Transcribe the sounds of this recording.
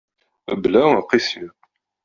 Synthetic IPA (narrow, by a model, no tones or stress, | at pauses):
blæəqːisi